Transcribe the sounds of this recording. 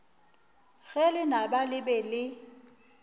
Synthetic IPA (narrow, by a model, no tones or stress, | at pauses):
ɣɛlɪnabalɪbɛlɪ